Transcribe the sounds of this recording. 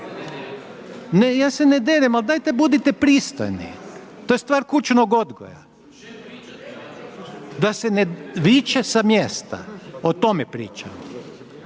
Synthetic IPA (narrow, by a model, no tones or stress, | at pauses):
nejaːsened̪eɾemald̪aːjt̪ebud̪it̪ɛpɾist̪o̰jnḭt̪ojest̪ʋaːɾkut͡ʃnoɡod̪ɡo̰ja̰ | d̪aseneʋit͡ʃesamjest̪a̰ot̪o̞mepɾḭːt͡ʃa̰m